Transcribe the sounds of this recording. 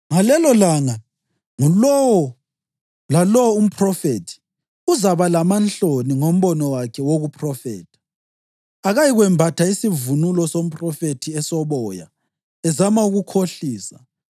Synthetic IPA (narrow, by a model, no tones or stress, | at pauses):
ŋalɛlɔlaŋa | ŋulɔwɔ | lalɔwɔum̩pʰʼrɔfetʰi̥ | uzaβalamant͡ɬoniŋom̩βɔnɔwakʰɛwoɣupʰʼrɔfɛ̰ːtʰḁ | aɣajiɣwɛmbʱatʰaisivunulɔsom̩pʼrɔfetʰiɛsɔβɔja̰ | ɛzamauɣukʰoɬiːsa̰